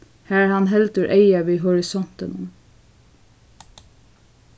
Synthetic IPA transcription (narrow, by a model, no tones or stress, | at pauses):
hæːɹhɑnɦɛlt̪əɹʔeɪɑʋiːɦɔɹɪsɔnt̪ənʊm